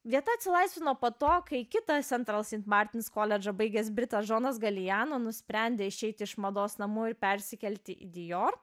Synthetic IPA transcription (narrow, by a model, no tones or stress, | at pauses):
ʋʲiɛt̪ɐːɐt̪ʲsʲɪlˠɐɪsʲʋʲɪnoːpot̪oːkɐɪkʲɪt̪ɐt̪sʲɛnt̪ɾɐlˠsʲiɪnt̪mɑːɾʲt̪ʲɪnʲɪskoːlʲɛd͡ʒɐbɐɪɡʲeːsbʲɾʲɪt̪ɐsʒoːnɐsɡɐlʲɪjæːnoːnʊsʲpʲɾʲɛˑnʲd̪ʲeːɪʃʲɛɪt̪ʲɪɪʃmɐd̪oːsnɐmuːɪɾpʲɛɾʲsʲɪkʲɛlʲt̪ʲɪʔḭd̪ʲɪjoːr